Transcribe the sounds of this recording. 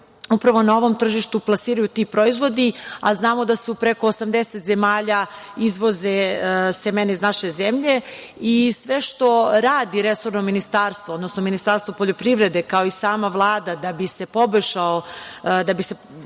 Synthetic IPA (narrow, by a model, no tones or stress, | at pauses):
upɾaʋo̞nao̞ʋo̞mt̪r̩ʒiʃt̪uplˠasiːɾajut̪iːpɾo̞izʋo̞d̪ia̰znaːmo̞d̪asupɾe̞ko̞ːsamd̪eset̪ze̞maːʎaizʋo̞zesemeneiznaʃe̞zemʎe̞ | isʋe̞ʃt̪o̞ɾaːd̪iɾesoɾnominist̪aːɾst̪vood̪no̞snominist̪aːɾst̪vopo̞ʎo̞pɾiʋɾe̞d̪ekao̞isaːmaʋlˠaːd̪ad̪abise̞po̞boʃaod̪abise